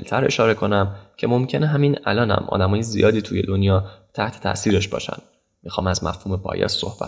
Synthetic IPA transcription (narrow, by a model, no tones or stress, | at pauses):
lt̪ʰæɾe̞ʃɒːɾe̞kʰo̞næmcʰe̞mo̞mcʰe̞neɦæminæ̰lɒːnæ̰mʔɒ̰ːd̪æmɒːjezḭjɒːd̪iːt̪ʰuːje̞d̪o̞njɒːt̪ʰæht̪ʰe̥t̪ʰæ̰ʔsiːɾeʃb̥ɒ̰ːʃæ̰nd̪̥ | mixɒːmæzmæ̰fhuːmepʰɒ̰ːjɒ̰sːo̞̰hb̥æ̰